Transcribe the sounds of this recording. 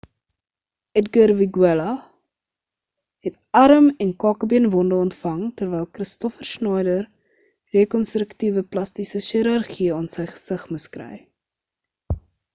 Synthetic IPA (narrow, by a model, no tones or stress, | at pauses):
ɛtɡərviɡwɛlɐ | ɦɛt | ɐɾəmɛnkɑːkəbiənvɔndəɔntfɐŋtərvɛjlˠkrəstɔfərsnɑjdər | rekɔnstɾəktivəplɐstisəʃiəɾɐrχiɑːnsəjχə̥səχmuskrɛ̰j